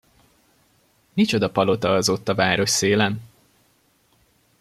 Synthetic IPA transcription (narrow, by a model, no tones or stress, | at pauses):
nit͡ʃo̞d̪ɒpɒlo̞t̪ɒɒzo̞t̪ːɒvaːɾo̞ʃseːlɛn